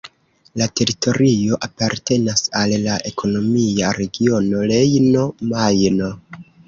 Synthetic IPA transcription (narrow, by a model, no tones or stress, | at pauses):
late̞ɾito̞ɾio̞ʔapaɾte̞nasallaʔe̞kʰo̞no̞miaɾe̞ɡio̞no̞le̞jno̞majno̞